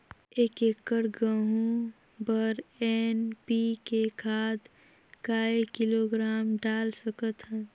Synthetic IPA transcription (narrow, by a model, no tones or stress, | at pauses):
eːkeːkːəɾɡəɦũ | bəɾenpikekʰaːd̪ | kaːekiloɡɾaːmɖaːlsəkət̪ɦɛ̃ː